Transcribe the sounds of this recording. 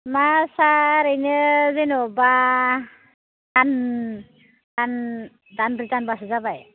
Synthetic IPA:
masaɾɯjnɯzenɔba | dan | dan | danbɾizanbaszabaj

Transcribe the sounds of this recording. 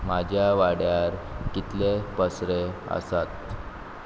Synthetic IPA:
mad͡ʑʱjaʋaɽjaɾ | kit̪lepəsɾeə̰sat̪̚

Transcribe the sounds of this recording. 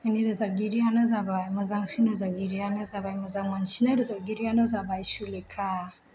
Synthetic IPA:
aneɾazaɡʲiɾɪjanazabaimɐzaŋsinazaɡʲiɾijanazabajimɐzaŋwant͡ʃinadizaɡʲiɾijanazabajiʃulekʰa

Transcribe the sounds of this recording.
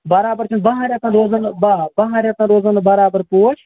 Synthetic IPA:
bɐɾaːbəɾt͡ʃʰɐnd̪bɐɦãːɾʲjaːt̪ãːɾoːzɐnbabɐɦãːɾʲaːt̪ãːɾoːzanbɐɾaːbəɾpoːt͡ʃʰ

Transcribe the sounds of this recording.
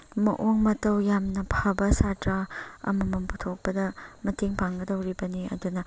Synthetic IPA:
mɐʔoŋmɐtɐwjamnɐpʰabɐsatɾaɐ̰mɐmɐmputʰok̚pɐdɐmɐtʰiŋpʰaŋɡɐdɐwɾibɐniɐ̰dunɐ

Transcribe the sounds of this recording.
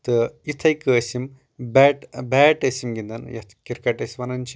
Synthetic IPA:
t̪ɨit̪ʰɐjkəːsim | bɛʈbɛːʈɐsimɡind̪ɐnjɐ̰t̪ʰkiɾkɐʈɐsiʋɐnɐnt͡ʃʰi

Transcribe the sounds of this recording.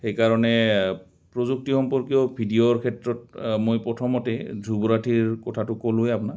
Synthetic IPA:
xejkaɹɔnɛ | pɹozuk̚tixɔmpɔɹkiɔbʱidioɹkʰɛtɹɔt̚mojpɔtʰɔmɔtɛdʱubɔɹatʰiɹkɔtʰatʊkolʊjapuna

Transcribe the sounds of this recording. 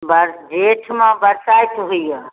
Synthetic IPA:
bəɾd͡ʒeʈʰmãbəɾsajt̪ɦujjə

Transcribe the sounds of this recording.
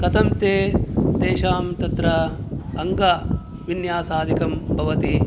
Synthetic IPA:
kɐt̪ʰɐmt̪eːt̪eːʃaːmt̪ɐt̪ɾɐɐŋɡa | ʋinjaːsaːd̪ʱikɐmbʱɐʋɐt̪i

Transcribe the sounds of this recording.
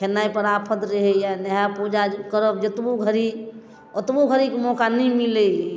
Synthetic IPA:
kʰenaipəɾapʰət̪ɾəɦejanəɦapud͡ʒakəɾəp̚d͡ʒət̪boɡʱəɾi | ət̪boɡʱəɾikemɔːkanĩmile

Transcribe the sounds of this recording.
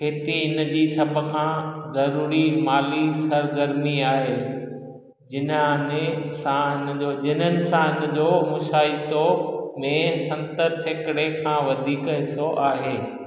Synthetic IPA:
kʰeːt̪iɪnəd͡ʑiːsɐbʱʊ̆kʰãːzɐɾuːɾimaːlisɐɾɡəɾmiaːɦeː | d͡ʑɪnənɪsãɪnd͡ʑod͡ʑɪnənɪ̆sãɪnə̆d͡ʑoːmʊʃaːɪt̪omẽsɐ̃nt̪əɾseːkɪɽekʰãːʋɐd̪ʱiːkɦɪsoʔaːɦeː

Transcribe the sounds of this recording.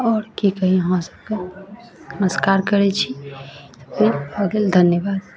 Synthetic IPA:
ɔːɾkikəɦĩɦõsə̥b̚ke | nəməskaːɾkəɾet͡ʃʰit̪opelaɡeld̪ʱənjəbaːd̪

